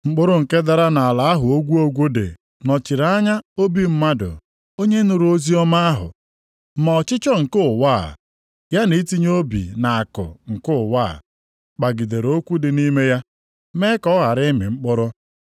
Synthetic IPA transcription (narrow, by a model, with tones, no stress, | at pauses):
ŋ͡m̩˦k͡pʊ˦ɾʊ˦ŋ̩˨ke˦da˦ɾa˦na˨a˨la˨a˦ɦʊ˨o˦ɡʷu˦o˦ɡʷo˦dḛ˨ | nɔ˨t͡ʃi˨ɾa˦ɲa˦o˦bi˦m̩˦ma˦dʊ̰˨ | o˦ɲe˦nʊ˨ɾo˦zi˦ɔ˦ma˦a˦ɦʊ̰˨ | ma˨ɔ˨t͡ʃɪ˦t͡ʃɔ˦ŋ̩˨kʊ˦˨waː˦˨ | ja˦ni˨˦ti˦ɲ˦o˦bḭ˨na˨a˨kʊ̰˨ŋ̩˨kʊ˦˨waː˦˨ | k͡pa˨ɡi˨de˨ɾo˦kʷu˦dɪ˨ni˦me˦ja˦ | me˦kɔ˦ɣa˨ɾɪ˦mɪ̰˨ŋ͡m̩˦k͡pʊ˦ɾʊ˦